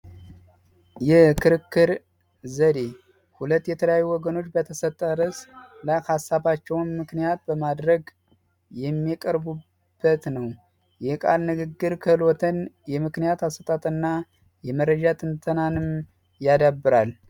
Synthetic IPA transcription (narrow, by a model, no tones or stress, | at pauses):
jɛkʰɨɾɨkːɨɾ | zəd̪e̞ | hulət̪ːjɛt̪ʰələjajːuwɔɡəno̞t͡ʃːbət̪ʰəsət̪ʼːəɾəslajhasːaβat͡ʃːɛwnmɨknijat̪̚bəmad̪ɾəɡ | jɛmːikʼəɾbu | b̥ːət̪nəw | jɛkʼa̰lnɨɡɨɡːɨɾkʰəhɨlot̪ʰənjɛmɨknijat̪asət̪ʼat̪ʼɨnːa | jɛməɾəd͡ʒat̪ʰɨnt̪ʰənanɨm | jad̪abːɨɾal